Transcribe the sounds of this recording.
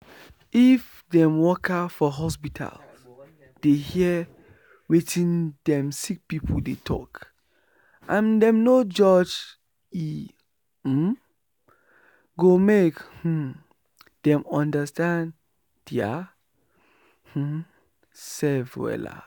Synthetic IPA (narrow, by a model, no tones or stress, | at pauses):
if | dɛ̃mwɔkafɔɦɔspitʰa̰l | d̥ehiɛ | wetʰĩndɛ̃msik̚pipʰuldetʰɔ̰k | ʔãndɛ̃mnod͡ʒɔd͡ʒ | i | ɡomekh̩ | d̥ɛ̃mɔ̃ndastãn | d̥ia̰ | sɛvwɛ̰la̰